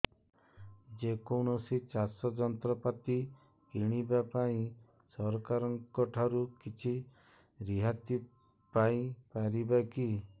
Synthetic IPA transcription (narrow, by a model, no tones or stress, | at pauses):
d͡ʒekowñɔsit͡ʃasɔd͡ʒɔnt̪ɾɔpat̪i | kiɽ̃ibapaĩ | sɔɾɔkaɾɔŋkɔʈʰaɾukit͡ʃʰi | ɾiɦat̪i | paĩpaɾibaki